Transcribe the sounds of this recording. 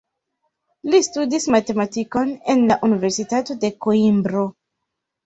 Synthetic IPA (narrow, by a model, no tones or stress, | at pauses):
listudismate̞matiko̞ne̞nlaʔunive̞ɾsitato̞de̞koimbɾo̞